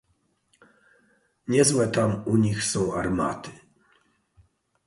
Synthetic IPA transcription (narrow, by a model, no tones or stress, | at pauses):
ɲɛzwɛt̪amuɲixsɔ̃w̃aɾma̰t̪ɘ̥